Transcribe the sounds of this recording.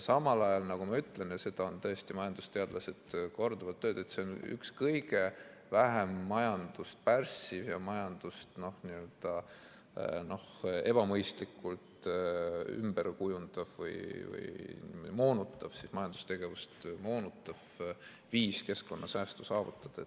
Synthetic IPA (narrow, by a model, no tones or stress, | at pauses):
sɑmɑlɑjɑlnɑɡ̥umɑyt̪ːˑle̞nɑse̞d̪̥ɑont̪ɤjest̪imɑjɑnd̪̥u̥st̪e̞ɑd̪̥lɑse̞d̪̥ko̞rd̪̥ɑvɑd̪̚t̪ːøːd̪̥e̞t̪se̞ony̰kskɤjɡ̥e | væɦemːɑjɑnd̪̥ust̪̚pærsivjɑmɑjɑnd̪̥ust̪no̞hniø̞ld̪̥ɑ | no̞he̞b̥ɑmɤjst̪likːˑult̪ | y̰mb̥erkujund̪̥ɑv̥vɤ̰jvɤ̰jnḭmod̪imoːnut̪ˑːɑv̥sismɑjɑnd̪u̥st̪e̞ɡ̥e̞vust̪moːnut̪ːˑɑv̥ | viːske̞sko̞nːʔɑsæːst̪usɑːvut̪ːˑɑd̪̥ɑet̪